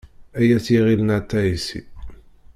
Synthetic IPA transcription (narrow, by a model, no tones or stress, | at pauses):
æjæt͡sːjiʁilnæt̪ːæisḭ